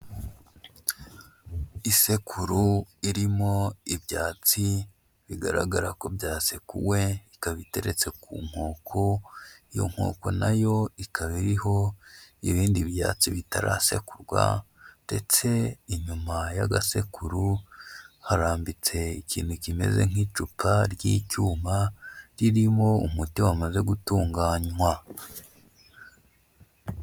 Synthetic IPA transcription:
ise̞kʰuɾuiɾimo̞iβjaːt͡si | βiɡaɾa̰ɡaɾako̞bjaːsekuwe̞ikaβite̞̰ɾe̞t͡se̞kṵːŋ̥ho̞ːkʰoijo̞̰ŋ̥ho̞̰ːko̞najo̞ikʰaβiɾiho̞iβiːndiβja̰ːt͡siβitaɾaːse̞̰kuɾɡwa̰nde̞t͡se̞iɲumajaɡase̞kuɾu | haɾaːmbit͡se̞icḭːn̥hucime̞̰ze̞̰ŋ̥iːt͡ʃupʰaɾɟiːcuːmaɾiɾimo̞umutiwamaze̞ɡutuːŋɡaːɲwa

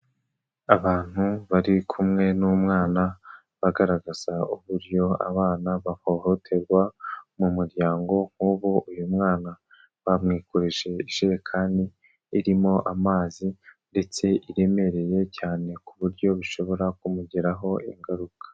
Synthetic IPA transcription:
aβaːn̥huβaɾikʰumŋe̞numŋaːna | βaɡaɾaɡaz̥auβuɾjo̞a̰βaːnaβaho̞ːho̞tʰe̞ɾɡwamumuɾjaːŋɡo̞ŋ̥huːβuʔujumŋaːna | βamŋiːkoɾeʒe̞iʃejekʰandiː | ɾimo̞ʔamaːzinde̞t͡se̞ʔiɾe̞me̞ɾe̞je̞caːne̞kuβuɾɟo̞βuʃo̞βo̞ɾakumuɟeɾaɦo̞iŋɡaɾukḁ

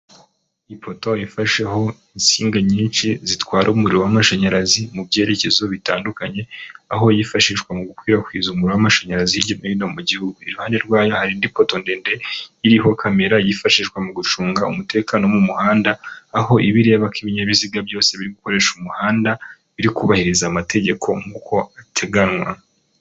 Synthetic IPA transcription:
ipʰo̞toifaʃeɦo̞insiːŋɡaɲiːnʃizitwaːɾoumuɾiɾowamaʃaɲaɾazimubje̞ːɾe̞ce̞zo̞βitaːndukaɲe̞a̰ɦo̞jifaʃiʃwamuɡukwiːɾakwiːzumuiɾowamaʃaɲaɾaziiɾɟo̞niinomuɟihuɡuiɾuhaːnde̞ɾɡwaːjo̞haɾindipo̞tondeːnde̞iɾiɦo̞kʰame̞ɾajifaʃiʃɡwamuɡut͡ʃuːŋɡaṵmute̞ːkano̞mumuhaːndaːho̞ʔiβiɾe̞ːβakiβiɲeβiziɡabjo̞ːse̞βiɾiɡuko̞ɾe̞ːʃumuhaːnda | βiɾikuβahiɾizaːmatʰe̞ɟe̞kʰo̞̰ŋɡuːkʰo̞atʰe̞ɡanwa

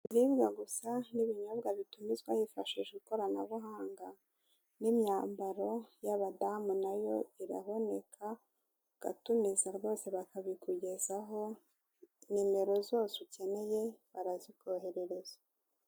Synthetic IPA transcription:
iɾibɡaɡusaniβiɲobɡaβitumizɡwahifaʃiʒeɡuko̞ɾana̰βuɦaːŋɡa | nimɲaːmbaɾo̞jaβadamunajo̞iɾa̰βo̞ne̞kʰa | ɡ̥a̰tumizaɾβo̞ːse̞βakaβikuɟe̞zaɦo̞ | nime̞ɾo̞zo̞ːsuce̞ne̞je̞βaɾazikoɦe̞ɾe̞ɾe̞z̥ḁ

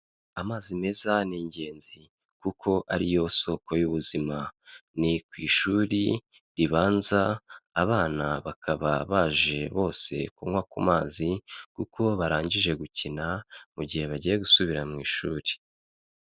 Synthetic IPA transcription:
amaːzime̞zaniːɲɟe̞ːnzi | kukʰo̞ʔa̰ɾijo̞so̞kʰo̞juβuzimanikwiːʃuːɾi | ɾiβaːnzaːβaːnaβakʰaβaβaːʒe̞βo̞ːse̞̰kuŋwakumaːzikukʰo̞βaɾaːɲɟiʒe̞ɡucinamuɟihe̞βaɟije̞ɡusuβiɾamŋiːʃuːɾi̥

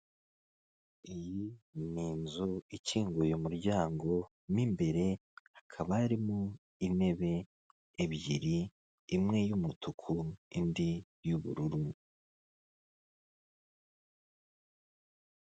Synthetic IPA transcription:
ijiniːnzuiciːŋɡujomuɾɟaːŋɡo̞ | nimbe̞ɾe̞akʰaβaːɾimo | ine̞βe̞ː | βɟḭɾiː | mŋe̞jumutukʰuindi | juβṵɾuɾu

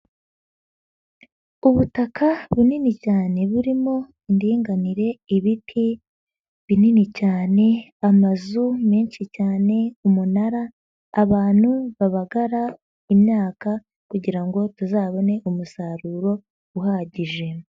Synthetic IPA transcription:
uβutakaβininicaːne̞βuɾimo̞ | indiːŋɡaniɾe̞iβitʰi | βininicaːne̞amazumeːnʃicaːne̞umunaɾaː | βaːn̥huβaβaɡaɾa | imɲaːka | kuɟiɾaŋɡo̞tuzaːβo̞ne̞ʔumusaːɾuːɾo̞ | uɦaːɟiʒe̞

